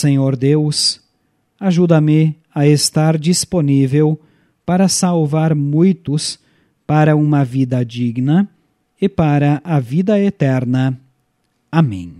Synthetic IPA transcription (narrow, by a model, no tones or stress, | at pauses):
sẽɲoɾd̪ews | aʒud̪ɐmɪ | ɐest̪aɾd͡ʒisponivew | paɾɐsawvaɾmũj̃t̪ʊs | paɾɐũmɐvid̪ɐd͡ʒiɡnɐ | ɪpaɾɐʔɐvid̪ɐet̪ɛɾnɐ | amḛ̃j̃